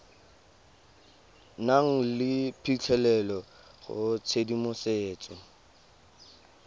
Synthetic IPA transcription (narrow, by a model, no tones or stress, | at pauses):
naŋ̩lɪpʰit͡ɬʰɛlɛlɔ | ɣʊ̰t͡sʰedimʊseːt͡sʼɔ